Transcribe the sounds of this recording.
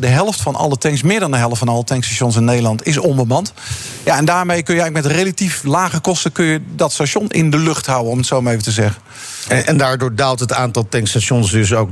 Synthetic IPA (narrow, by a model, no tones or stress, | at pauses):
dəɦɛlˠftfɑnʔɑ̰lˠətɛŋksmɪːɹdɑndəɦɛlˠəftfɑnɑlətɛŋkstaʃɔns̬ɪnːejdəlˠɑntɪs̬ɔmbəmɑnt | jaɛndaːɹmejkɵnjəɛjŋləkmɛtrejlatiflaːχəkɔstəkɵnjədɑtstaʃɔnʔɪ̰ndəlɵχtɦawənɔmətsowmaejvətəzɛχən | ʔɛndaːɹdʊːɹdalˠtɦətaːntɑlˠtɛŋkstaʃɔnsdɵsowk